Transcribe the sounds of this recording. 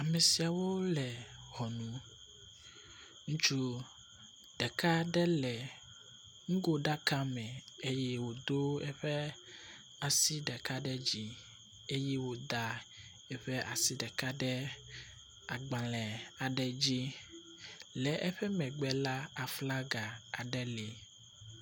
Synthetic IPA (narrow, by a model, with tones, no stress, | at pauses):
a˨mɛ˨si˨a˨wo˦lɛ˨hɔ˨nũ˨ | ŋũ˦t͡ʃu˦ | ɖ̥ɛ˨ka˦ɖɛ˦lɛ˨ | ŋ̩˦ɡo˦ɖa˦ka˦mɛ̃˨e˦jɛ˦wo˨d̪o˦ɛ˦ɸɛ˦ | a˨si˦ɖɛ˨ka˦ɖɛ˦d͡ʑi˦ | e˦jɛ˦wo˨d̪a˨ | ɛ˦ɸɛ˦ʔa˨si˦ɖɛ˨ka˦ɖɛ˦ | a˨ɡ͡ba˨lɛ˨a˨ɖɛ˨d͡ʑi˦ | lɛ˨ʔɛ˦ɸɛ˦mɛ̃˨ɡ͡bɛ˨la˦a˨fla˦ɡa˨a˨ɖɛ˦lɛ˨